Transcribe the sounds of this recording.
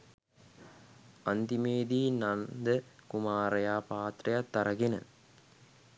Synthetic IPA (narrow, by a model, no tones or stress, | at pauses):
ɐnd̪imeːd̪iːnɐnd̪əkumaːɾɐjaːpaːt̪rɐjɐt̪ːɐɾɐɡinɐ̰